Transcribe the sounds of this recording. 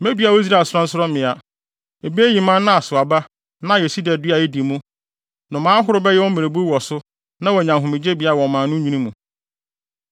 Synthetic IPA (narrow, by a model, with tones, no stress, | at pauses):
mẽ˦dɥa˨wɔ˦i˦s̬ɾa˦˨sʊ˦ɾɔ˦n̩˦sʊ˦ɾɔ˦mɪ̃˨a˨ | e˨bi˦e˦ji˨mã˦n˦nã˦a˨sʊ˨a˨ba˦ | nã˦˨jɛ˨si˦dɛ˨dɪ˦a˨ɛ˦di˨mũ˦ | nʊ̃˨mãː˦ɦʊ˦ɾʊ˦bɛ˦jɛ˦wɔ˦mẽ˨ɾe˨bu˦ɾwɔ˨sʊ˦ | nã˦wɔ˨ɲã˨mɦʊ̃˨mɪ̃˨d͡ʑe˦bi˨˦a˦˨wɔ̃˨mãː˨nʊ̃˦ɲĩ˦nĩ˦mũ˨